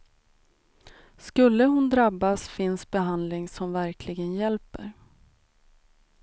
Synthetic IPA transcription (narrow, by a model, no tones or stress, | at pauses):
skɵlːəhʊnd̪ɾabːasfɪnsbɛɦand̪lɪŋsɔmvæɾkʰlɪɡənjɛlpə̰ɾ